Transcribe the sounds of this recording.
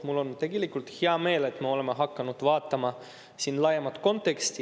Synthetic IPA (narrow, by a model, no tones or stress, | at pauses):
mulːo̞nt̪e̞ɡe̞likˑult̪heɑme̞ːle̞t̪ːˑmeo̞le̞meɦɑkːɑnud̪̥vɑːt̪ːˑɑmɑ | sinːlɑjemɑt̪ˑko̞nt̪ˑe̞kst̪i